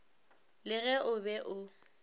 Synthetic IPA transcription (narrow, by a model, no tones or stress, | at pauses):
lɪɣɛʔʊbɛʔʊ